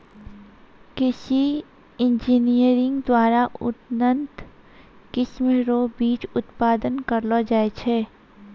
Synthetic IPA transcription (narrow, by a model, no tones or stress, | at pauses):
kɪsi | ɪ̃nd͡ʒiːnijəɾɪ̃ŋɡd̪waːɾaʔʊ̰t̪nə̃nt̪ | kɪʃmɾoːbiːt͡ʃʊt̪paːd̪ənkəɾlod͡ʒaːet͡ʃʰeː